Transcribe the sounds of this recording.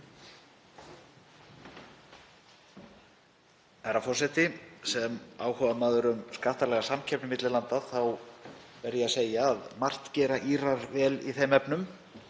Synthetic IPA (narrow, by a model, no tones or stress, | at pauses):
ɛɾafɔr̥sɛt̪ɪsɛmaːwhɔːvamaːðʏɾʏmskaht̪alɛɣasamcʰɛpnʏmɪt̪lɪlant̪aθawvɛɾðɛaseːjaːðmar̥t̪cɛːɾaʔiːɾaɾvɛːlḭθejmɛpnʏm